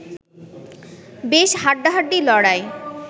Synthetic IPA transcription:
beʃɦaʈ̚ɖaɦaʈːɖilɔɽae

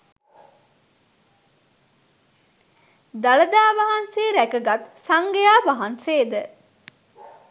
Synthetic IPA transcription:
d̪aləd̪aːʋaɦɐnseːɾækəɡat̪saŋɡejaːʋɐɦanseːd̪ə

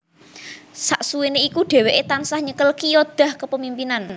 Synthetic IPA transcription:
saʔsuweneikuɖ̥e̤weʔet̪ansahɲəkəlkijod̪̥a̤hkəpəmimpinan

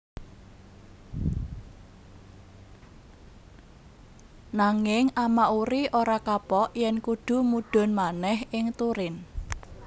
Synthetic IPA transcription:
naŋɪŋamaʔuɾiʔoɾakapɔʔjɛnkuɖ̥ṳmuɖ̥ɔ̤nmanɛhɪŋt̪uɾɪn

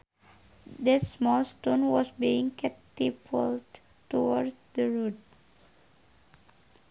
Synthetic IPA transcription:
d̪ɛtsmɔlstõnwɔsbiɪ̃ŋkɛtipʰəld | tuwɔɾsd̪əɹut̚

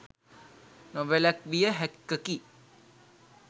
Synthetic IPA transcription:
noʋelækʋijəɦɛkːəki

